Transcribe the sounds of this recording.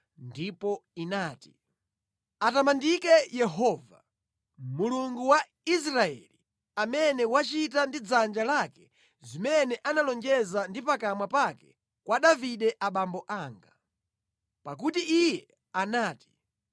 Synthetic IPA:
ndipɔinaːti̥ | atamandikɛjɛɦɔːva | muluŋɡuwa | is̬ɾaɛ̰li | amɛnɛwat͡ʃitandid͡zand͡ʒalakɛ̥ | zimɛnɛʔanalɔnd͡ʒɛzandipakamwapakɛ | kwaɗaviɗɛʔaɓambɔʔaːŋɡa | pakutiʔijɛ | anaːti̥

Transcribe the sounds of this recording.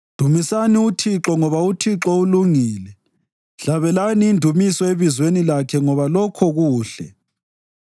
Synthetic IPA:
d̥ʱumisaniutʰiǁɔŋɔβautʰiǁɔuluŋiːlɛ | ɬaβɛlaniːndʱumisɔeβizwenilakʰɛŋɔβalɔkʰɔɣuːɬɛ̰

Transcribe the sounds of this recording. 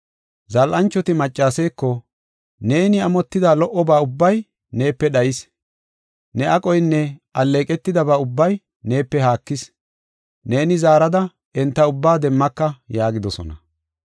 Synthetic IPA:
zɐlʔɐnt͡ʃːɔt̪ɪmɐt͡ʃʼːaːseːkːɔ | ne̞ːnɪɐmɔt̪ːɪd̪aːlɔʔɔbaːʊbːɐj | ne̞ːpːɛɗɐjɪs | nɛʔɐkʼɔjnːɛɐlːe̞ːkʼɛt̪ːɪd̪ɐbaːʊbːɐj | ne̞ːpːɛɦaːkːɪs | ne̞ːnɪzaːɾɐd̪ɐ | ɛnt̪ːɐʊbːaːd̪ɛmːɐkːɐjaːɡɪd̪ɔsɔ̰nɐ

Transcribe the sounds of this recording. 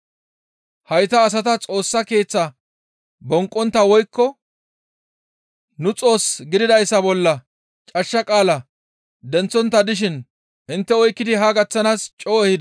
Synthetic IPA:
hɐjt̪ɐːs̬ɐt̪ɐt͡sʼo̞ːsːɐke̞ːt͡sːɐ | bɔŋkʼːɔnt̪ːɐwɔjkːɔ | nʊt͡sʼo̞ːsɡɪd̪ɪd̪ɐjsːɐbɔlːɐ | t͡ʃʼɐʃːɐkʼaːlɐ | d̪ɛnt͡sːɔnt̪ːɐd̪ɪʃ̬ɪn | ʔɪnt̪ːɛɔjkːɪd̪ɪɦɐɡɐt͡sːɐnaːst͡ʃʼoːɛhɪd̪

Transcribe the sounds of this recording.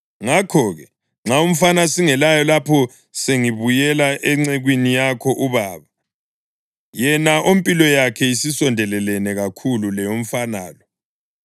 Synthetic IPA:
ŋakʰɔɣɛ | ŋ͡ǁʱaum̩fanasiŋɛlajɔlapʰɔ | seŋiβujɛlaʔɛŋ͡ǀeɣwinijakʰɔʔuβaːβa | jɛnaʔompʼilɔjakʰɛisisɔndʱɛlɛlɛnɛɣakʰululɛjom̩fana̰ːlɔ

